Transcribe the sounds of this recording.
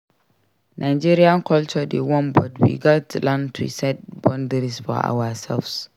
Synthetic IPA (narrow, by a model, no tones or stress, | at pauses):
nʔajd͡ʒeːɾijaŋkɔlt͡ʃɔdewɔ̃nbɔdbḭɡatlãntɾḭsɛt̚bɔndɛɾisfɔ̰ʔa̰wasɛlfs